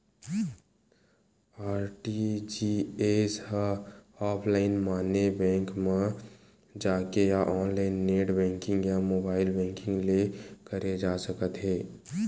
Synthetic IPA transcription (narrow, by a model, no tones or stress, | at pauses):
aːɾʈid͡ʒieshaaːpʰlaːɪnmaːnebɛ̃ːŋkmã | d͡ʒaːkejaʔɔːnlaːɪnːeːʈbɛ̃ːŋkɪ̃ŋɡjamoːbaːɪlbɛ̃ːŋkɪ̃ŋɡlekəɾed͡ʒaːsəkət̪ɦeː